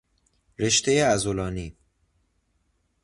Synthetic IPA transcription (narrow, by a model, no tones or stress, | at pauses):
ɾe̞ʃt̪ʰejeæzolɒːniː